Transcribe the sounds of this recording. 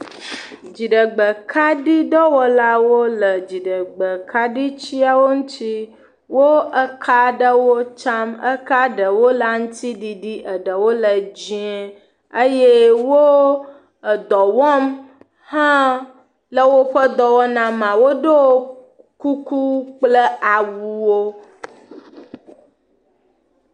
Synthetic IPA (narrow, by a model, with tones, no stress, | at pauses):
d͡ʒi˨ɖə˨ɡ͡bə˨kʰa˦ɖi˦ɖɔ˦wɔ˦la˦wo˦lə˨d͡ʒi˨ɖə˨ɡ͡bə˨kʰa˦ɖi˦t͡ɕi˦a˦wo˦ŋũ˦t̪i˦ | wo˦ə˦kʰa˦ɖə˦wo˦t͡ʃa˦mə̰˦ka˦ɖə˨wo˦la˦ŋ̩̃˦t̪i˦ɖi˨ɖi˦ʔə˨ɖə˨wo˦lə˨d͡ʑi˦e˦ | ə˦je˦wo˦ | ə˨d̪ɔ˨wɔ˦m | hã˦ | lə˦wo˦ɸə˦d̪ɔ˨wɔ˦nã˨mã˨wo˦ɖo˦ | ku˦ku˦k͡plə˦ʔa˨wu˨wo˦